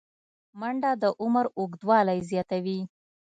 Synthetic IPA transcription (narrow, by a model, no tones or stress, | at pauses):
maɳɖad̪əʔʊmaɾoɡd̪wɑlajzjɑt̪awi